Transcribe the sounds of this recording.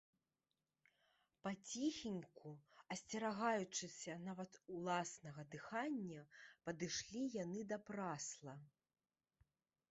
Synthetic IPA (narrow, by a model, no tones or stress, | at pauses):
pɐt͡sʲixʲinʲkuɐsʲt͡sʲɐɾaɣajut͡ʂɨsʲɐnavɐt̪ulˠasnɐɣɐd̪ɨxanʲːɐpɐd̪ɨʂlʲijanɨd̪ɐpɾaslˠɐ